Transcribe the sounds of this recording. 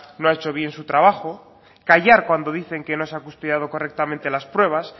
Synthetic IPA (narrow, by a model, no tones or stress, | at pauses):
noaet͡ʃo̞β̞je̞nsut̪ɾaβ̞axo | kaʝaɾkwand̪o̞ðiθe̞ŋke̞no̞seakust̪oðjaðo̞ko̞rek̚t̪amẽnt̪e̞laspɾwe̞β̞as